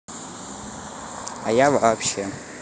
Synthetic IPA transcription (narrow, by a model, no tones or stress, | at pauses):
ajavʔapʰʃa